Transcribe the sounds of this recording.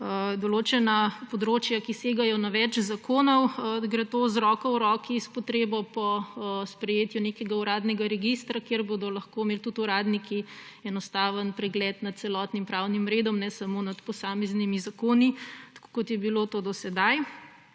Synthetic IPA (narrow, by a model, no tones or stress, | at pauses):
d̪oloːt͡ʃɛnapod̪ɾot͡ʃjakiseːɡajɔnaʋɛt͡ʃzakoːnɔwɡɾet̪ozɾɔkɐwɾɔːkiːspɔt̪ɾeːbɔpɔspɾɛjeːt̪junekɛɡauɾaːd̪nɛɡaɾɛɡist̪ɾakeɾbod̪ɔlɐxkomeːlt̪ut̪uɾaːd̪nikʰiɛnɔst̪aːʋənpɾɛɡlɛt̪nat̪̚t̪sɛlɔt̪nimpɾawnimɾeːd̪ɔmnɛsamonat̪pɔsaːmɛznimizakoːnit̪ḁko̥kɔt̪jɛbilot̪oːd̪ɔsɛd̪aj